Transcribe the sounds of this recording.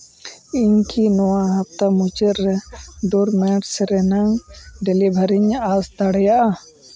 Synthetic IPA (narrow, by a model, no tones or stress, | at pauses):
iɲkʰinɔwaɦap̚t̪amut͡ʃəɾɛd̪uɾmɛʈsɛɾɛnaŋɖɛlibʱaɾiɲasd̪aɽɛjaʔa